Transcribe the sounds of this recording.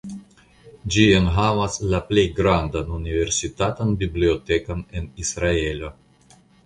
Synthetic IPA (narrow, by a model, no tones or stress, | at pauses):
d͡ʒienɦavaslaplejɡɾand̪anunive̞ɾsit̪at̪anbibliote̞kanenisɾae̞lo